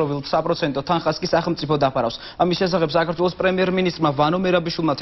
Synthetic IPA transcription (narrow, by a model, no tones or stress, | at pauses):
ɔvilˠsapʼɾɔt̪sʰɛnt̪ʼɔt̪ʰanχaskʼisaχɛlˠmt̪sʼipɔd̪apʰaɾa̰fs | amisʃɛs̬aχɛbsakʰaɾt̪ʰwɛlˠɔspʼɾɛmiɛɾminist̪ʼɾmavanɔmɛɾabiʃwilˠmat̪ʰ